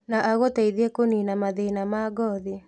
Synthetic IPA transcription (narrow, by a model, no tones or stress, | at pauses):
naʔaɣotaiðiekoninamaðenamaɡɔði